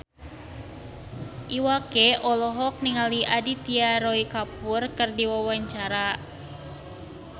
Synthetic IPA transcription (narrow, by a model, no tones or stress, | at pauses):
ʔiwakeʔɔlɔɦɔk̚niŋaliʔadit̪iaɾɔikapurkɨrdiwawaɲt͡ʃaɾa